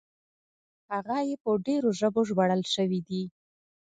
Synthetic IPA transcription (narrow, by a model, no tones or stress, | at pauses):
haɣajepəɖeɾoʒəboʒbaɽəlʃəwid̪i